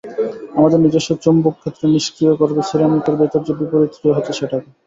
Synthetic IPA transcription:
amad̪eɾnid͡ʑeʃot͡ɕombokkʰːet̪ːɾeniʃkɾijokɔɾbet͡ɕʰeɾamikoɾbet̪aɾd͡ʑobipoɾit̪ːɾijoɦot̪ːeʃeʈʰak

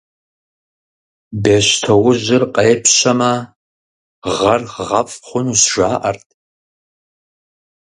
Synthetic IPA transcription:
beːɕtʰɐwʊʑɪrqeːpʰɕɐmɐ | ʁɐrʁɐfʼχʷʊnuːsʒ̥ʷaːʔɐrtʰʼ

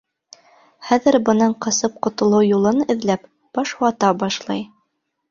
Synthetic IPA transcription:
χæðɘ̆ɾbɤ̆nɑɴqɤ̆sɤp̚qŏt̪ŏlˠɤwjulˠɤnɘ̆ðlæp | b̥ɑʃɑt̪ɑbɑʃlˠɑj

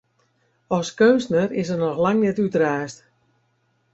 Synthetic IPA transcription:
ɔskønsnərɪs̬ərnɔxlaŋnɛtytraːst

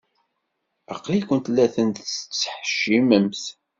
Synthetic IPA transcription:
ɑ̰qlikʷənt̪lːæθənt̪θət͡sːə̥ħʃiməmθ

